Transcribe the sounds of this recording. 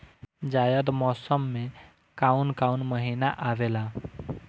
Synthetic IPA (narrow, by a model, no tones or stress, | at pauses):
d͡ʒajəd̪mɔsəmːe | kaunkaunməɦinaʔaʋela